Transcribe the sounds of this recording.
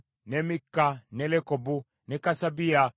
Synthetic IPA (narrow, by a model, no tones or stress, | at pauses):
nɛmikːanɛlɛkɔbu | nɛkasabia